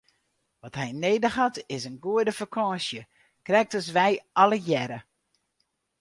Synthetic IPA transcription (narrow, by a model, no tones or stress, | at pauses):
ʋɔtɦɛjneːdəχatɪsənɡuədəfəkʰɔːsjə | krɛjk̚təs̬ʋɛjʔɑləjɛɾə